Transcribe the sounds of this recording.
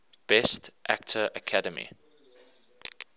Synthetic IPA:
b̥ɛstʔæk̚tʰəʔəkʰædəmḭ

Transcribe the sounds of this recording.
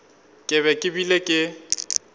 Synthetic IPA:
kʼɪβɛkʼɪbilekʼɪ

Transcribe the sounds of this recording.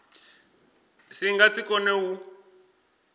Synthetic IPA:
siŋɡat͡sikɔnewu

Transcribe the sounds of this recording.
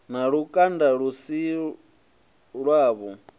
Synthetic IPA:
naɺukʼandaɺusi | ɺwaːβɔ

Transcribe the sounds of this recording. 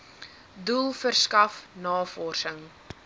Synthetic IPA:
dulˠfərskɐfnɑːfɔrsəŋ

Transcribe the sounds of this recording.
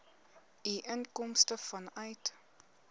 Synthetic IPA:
iʔənkɔmstəfɐnœɥt

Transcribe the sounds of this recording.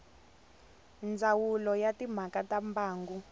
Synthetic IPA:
nd͡zʱawulɔjatʼim̤akatʼambaːŋɡu

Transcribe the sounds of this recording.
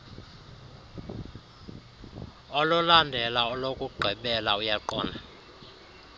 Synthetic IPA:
ɔlɔlandʱɛlaɔlokʼuɡ͡ǃʱɛɓɛlaujaǃɔ̰ːna

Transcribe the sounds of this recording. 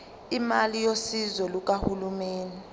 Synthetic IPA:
imalijosizɔluk̬ahulumeːni

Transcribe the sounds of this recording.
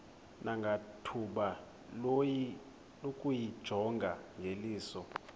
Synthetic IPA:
naŋɡʱatʰuɓa | loji | lokʼujid̥ʒ̥ʱɔŋɡʱaŋɡʱeliːsɔ

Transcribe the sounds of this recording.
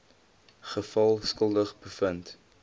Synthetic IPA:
χəfɐlˠskəlˠdəχbəfənt

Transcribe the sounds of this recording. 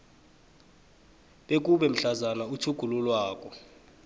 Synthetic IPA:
ɓek̬ʼuɓɛm̩ɬazanautʰuɡ̥ʱululwaːkʼɔ

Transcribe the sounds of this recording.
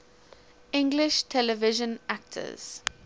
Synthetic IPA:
ɪ̃ŋɡlɪʃtʰɛləvɪʒə̃nak̚tʰə̰z̥

